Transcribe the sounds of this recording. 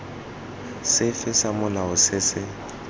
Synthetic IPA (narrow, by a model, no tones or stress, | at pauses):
sɪfɪsamʊlaʊsɪsɪ